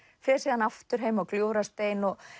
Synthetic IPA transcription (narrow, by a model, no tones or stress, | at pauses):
fɛsiːðanaft̪ʏɾ̥ɦejmaɣkljoːwɾast̪eːjnɔɣ